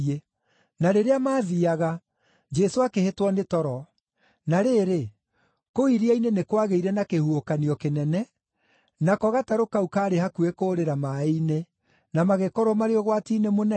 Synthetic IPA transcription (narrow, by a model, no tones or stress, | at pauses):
e | naɾeɾeamaːðiaɣa | d͡ʒɛsoakehetwɔnetɔɾɔ | naɾeːɾe | koiɾiainenekwaɣeiɾɛnakehuokaniɔkenɛnɛ | nakɔɣataɾokaukaːɾehakuekoɾeɾamaine | namaɣekɔɾwɔmaɾeɔɣwatinemonɛ